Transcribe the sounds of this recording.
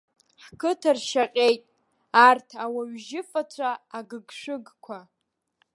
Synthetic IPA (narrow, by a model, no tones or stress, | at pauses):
ħkʰɨtʰarʃaqʲʼejtʼ | artʰawaɥʒɪfat͡sʷʰaːɡɨɡʂɨɡkʷʰa